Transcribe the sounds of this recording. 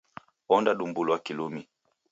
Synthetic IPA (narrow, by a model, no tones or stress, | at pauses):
wɔndaɗumbuluakilumi